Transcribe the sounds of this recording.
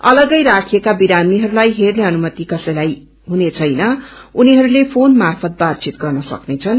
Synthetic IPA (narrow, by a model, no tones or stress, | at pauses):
ʌlʌɡʌjɾakʰijekabiɾamiɦʌɾulajɦerneʌnumʌt̪ikʌsʌjlaj | ɦunet͡sʰʌjnʌ | uniɦʌɾulepʰonmarpʰʌt̪̚bat̪̚t͡sit̪̚ɡʌrnʌsʌ̰knet͡sʰʌn